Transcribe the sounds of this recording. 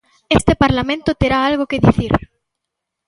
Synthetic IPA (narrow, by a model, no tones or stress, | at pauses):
est̪epaɾlamẽnt̪ʊt̪eɾaalɣokeðiθiɾ